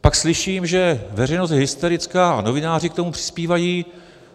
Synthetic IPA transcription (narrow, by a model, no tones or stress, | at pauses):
pakslɪʃiːmʒɛvɛrɛjno̞st̪ɦɪst̪oɾɪt͡skano̞vɪnaːrɪkt̪o̞mupr̥ɪ̥spiːvajiː